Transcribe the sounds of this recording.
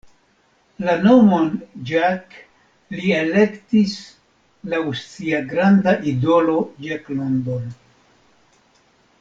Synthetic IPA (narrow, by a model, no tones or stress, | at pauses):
lano̞mo̞nd͡ʒak | liele̞ktis | laust͡siaɡɾandaʔido̞lo̞d͡ʒaklondon